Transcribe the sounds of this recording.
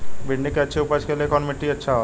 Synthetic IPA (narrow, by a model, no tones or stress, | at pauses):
biɳɖikəːt͡ʃʰeupat͡ʃkelekʰɔnmiʈːiətːʃʰaɦol